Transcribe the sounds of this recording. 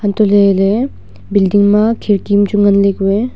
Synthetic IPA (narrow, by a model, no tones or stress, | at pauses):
hant̪olele | bild̪iŋmakʰeɾkimt͡ɕuŋanlekwe